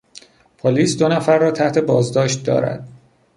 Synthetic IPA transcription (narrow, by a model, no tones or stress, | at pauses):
pʰoliːsd̪onæfæɾːɒːt̪ʰæht̪e̞bɒːzd̪ɒːʃt̪̚d̪ɒ̰ːɾæ̰d̪̥